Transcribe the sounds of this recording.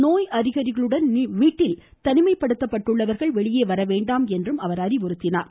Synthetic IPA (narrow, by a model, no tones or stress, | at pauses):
noːjɐɾɪɣɐɾɪɣɐɭɯɽɐnʋiːʈːɪl | t̪ɐnɪmɐɪpːɐɽɯt̪ːɐpːɐʈːɯɭːɐʋɐɾɣɐɭʋɛɭɪjeːʋɐɾɐʋeːɳɖaːmɛndrɯmɐʋɐɾɐɾɪʋɔɾɯt̪ːɪnaːɾ